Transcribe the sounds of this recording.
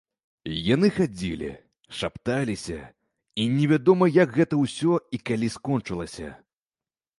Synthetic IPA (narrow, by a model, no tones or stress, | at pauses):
janɨxad͡zʲilʲḭ | ʂapt̪alʲisʲɐ | inʲɛvʲad̪ɔmɐjɐɡɣɛt̪ɐwsʲɔikalʲiskɔnt͡ʂɨlˠɐsʲɐ̰